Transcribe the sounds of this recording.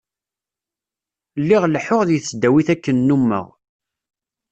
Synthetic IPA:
lːiʁlħʊʁðjəθːd̪æwiθækːənːumːə̰ʁ

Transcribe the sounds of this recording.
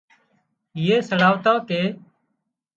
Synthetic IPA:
ɪjeːsəɽaːʋt̪ãːkeː

